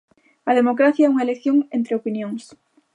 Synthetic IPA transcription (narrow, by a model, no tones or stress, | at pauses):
ɐðemokɾaθjaɛuŋaelekθjoŋẽnt̪ɾeopinjõŋs